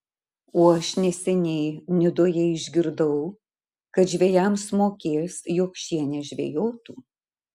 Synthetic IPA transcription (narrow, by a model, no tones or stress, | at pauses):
oːɐʃnʲɛsʲɛnʲɛːnʲɪd̪ojɛɪʒʲɡʲɪɾd̪ɐʊ | kɐt̪ʒʲʋʲejæmsmoːkʲeːsjoːkʃʲiɛnʲɛʒʲʋʲḛːjoːt̪uː